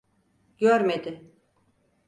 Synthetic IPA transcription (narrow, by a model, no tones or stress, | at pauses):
ɟ̥øɾmed̪ɪ